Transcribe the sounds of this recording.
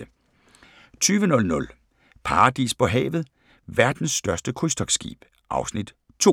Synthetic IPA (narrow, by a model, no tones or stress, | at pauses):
t͡sʰyːʋənɔ̽lnɔ̽l | pʰɑ̈ʁɑd̥ḭːspʰɒ̽ɦɛ̰ːʋð̞̩ˠ | ʋæɐd̥n̩sːd̥ɶɐsd̥əkʰʁusd̥ɒ̽ɡ̥sɡ̥ḭːb̥ | ʔɑ̈ʊsnid̥ | t͡sʰo̝